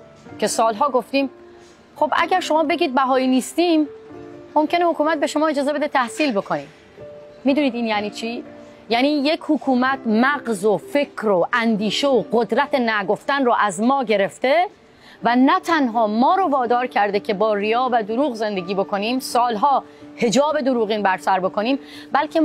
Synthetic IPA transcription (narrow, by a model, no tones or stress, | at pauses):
cʰe̞sɒːlɦɒːɡo̞ft̪iːm | χo̞bʔæ̰ɟæɾʃo̞mɒːbe̞ɟiːd̪̚bæɦɒːjiːniːst̪iːmː | o̞mcenehokuːmæt̪̚be̞ʃo̞mɒːed͡ʒɒːzee̞d̪et̪ʰæhsiːlbo̞kʰo̞niːm | miːd̪uːniːd̪iːnjæniːt͡ʃʰiː | jæːniːje̞chokʰuːmæt̪ʰmæɢzofe̞kʰɾoʔænd̪iːʃe̞oɢod̪ɾæt̪ʰenæɡo̞ft̪ænroʔæzmɒːɟe̞ɾe̞ft̪e̞ | vænæt̪ʰænɦɒːmɒːɾovɒːd̪ɒːɾcʰæɾd̪ecʰe̞bɒːrijɒːvæd̪oɾuːɣze̞nd̪e̞ɡʲiːbo̞ko̞niːmsɒːlɦɒː | he̞d͡ʒɒːbe̞d̪oɾuːɣiːnbæɾsæɾbo̞ko̞niːm | bælkʰe̞